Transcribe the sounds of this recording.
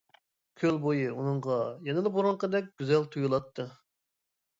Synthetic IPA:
kʲʰølbojɨunɨŋʁɑjɛnɨlˠɨbuɾʊɴqəd̪ɛk̚ʲɡ̥ʲyzɛlt̪ʰujulˠɑt̪ʰːɨ

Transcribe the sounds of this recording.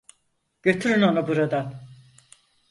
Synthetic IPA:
ɟ̥ø̞t̪ʰyɾynonubuɾad̪an

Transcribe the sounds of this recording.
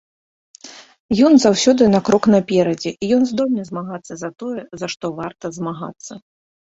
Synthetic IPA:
jɔnzawsʲɔd̪ɨnakɾɔknapʲɛɾɐd͡zʲɛʔijɔnzd̪ɔlʲnɐzmaɣat̪sːɐzɐt̪ɔjɛzɐʂt̪ɔvart̪ɐzmaɣa̰t̪sːɐ

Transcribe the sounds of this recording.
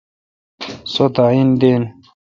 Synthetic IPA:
sot̪aind̪en

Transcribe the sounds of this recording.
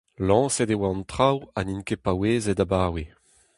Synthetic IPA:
lɑ̃ːsedewaɑ̃nt̪χawa̰ninkepaweːzed̪abaːwe

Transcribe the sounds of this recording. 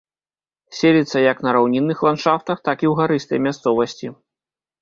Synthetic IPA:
sʲelʲit̪sːɐjɐknɐɾawnʲinːɨxlˠanʂaft̪ɐxt̪akiwɣaɾɨst̪ɐ̰jmʲast̪sɔvɐsʲt͡sʲi

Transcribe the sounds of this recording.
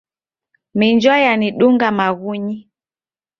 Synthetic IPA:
miɲd͡ʒwajaniɗuŋɡamaɣuɲi

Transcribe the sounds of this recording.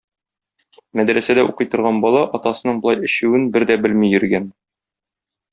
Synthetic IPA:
mæd̪ɾæsæd̪æʔuqɤ̆jt̪ɤ̆ɾʁɑnbɒlˠɑʔɒt̪ɑsɤ̆nɤɴbɤ̆lˠɑjɘ̆ɕʉwɘnbɘɾd̪æbɘlmijɵ̆ɾɡæn

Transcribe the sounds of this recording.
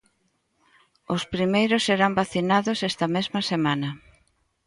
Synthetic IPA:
ʊspɾimejɾʊsːeɾambaθinaðʊsɛst̪ɐmezmɐsemanɐ

